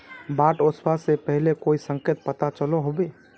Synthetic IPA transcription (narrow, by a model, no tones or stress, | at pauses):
baʈospasepəɦlekoisə̃ŋket̪̚pət̪at͡ʃəloɦobe